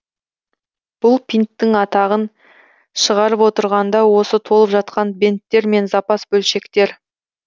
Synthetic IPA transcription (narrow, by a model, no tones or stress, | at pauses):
b̥ʊlˠpʰʲijnt̪ːɪŋɑt̪ɑʁən | ʃəʁɑɾəpwo̞t̪əɾʁɑnd̪ɑwo̞sət̪ʰo̞lˠəpʒɑt̪̚qɑnbent̪ːe̞ɾme̞nzɑpɑsbɵlʃe̞kt̪e̞ɾ